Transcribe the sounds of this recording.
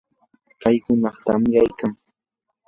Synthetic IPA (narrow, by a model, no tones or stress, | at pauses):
kajhʊnɑχt̪a̰mɪajkaŋ